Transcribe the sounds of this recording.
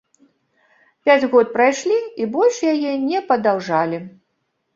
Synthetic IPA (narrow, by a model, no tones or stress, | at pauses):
pʲad͡zʲɣɔt̪̚pɾajʂlʲiibɔlʲʂjajɛnʲɛpɐd̪awʐalʲi